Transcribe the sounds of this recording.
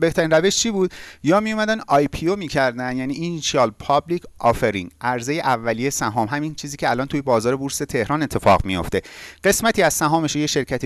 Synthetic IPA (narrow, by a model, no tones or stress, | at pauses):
be̞ht̪ʰæɾinræve̞ʃt͡ʃʰiːbuːd̪̚jɒːmijumæd̪ænɒjpʰiomiːcʰæɾd̪ænd̪jæːniːʔinʃiɒlpʰɒːblikʰʔɒːfeɾiŋʔæɾze̞je̞ʔævːælije̞sæɦɒːmɦæmint͡ʃʰiːziːcʰeælɒːnt̪ʰujebɒːzɒːɾebuɾse̞t̪ʰe̞hɾɒːnet̪ʰːefɒ̰ɣmijo̞̰ft̪e̞ɢ̥e̞smæt̪ʰiːæz̥sæɦɒːmeʃojeʃe̞ɾcʰæt̪ʰi